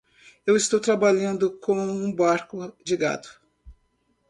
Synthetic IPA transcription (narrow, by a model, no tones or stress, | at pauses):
ewɪst̪owt̪ɾabaʎɐ̃nd̪ʊkõwũbaɾkʊd͡ʒɪɡa̰d̪ʊ̥